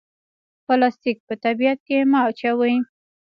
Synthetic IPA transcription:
palɑst̪ik̚pət̪abijat̪̚kemɑt͡ʃawəji

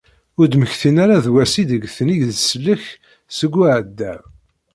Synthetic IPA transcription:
ʊɾd̪məçθinaɾaðwæsid̪əɡθənijðsəlːəç | səɡʷːuʕəd̪ːæ

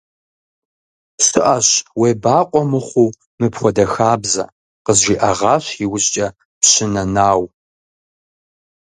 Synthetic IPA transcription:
sɨʔɐɕweːbaːqʷʼɔmɨχʷuː | mɨpχʷɔdɐxaːbzɐ̰ | qəzʒiːʔɐʁɑːɕiwʊɕt͡ʃʼɐ | pɕɪnɐnaːw

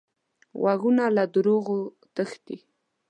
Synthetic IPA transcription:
waɣunalad̪ɾoɣo | t̪əxt̪i

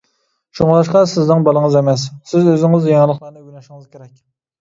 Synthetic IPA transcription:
ʃuŋlˠɑʃqɑsɪznɪŋbɑlˠəŋəzemɛsːɪzøzɪŋɪzjɑlˠəχlˠɑɾnɨɡʲynɑʃɪŋɨz̥kʲʰeɾɛkʲ

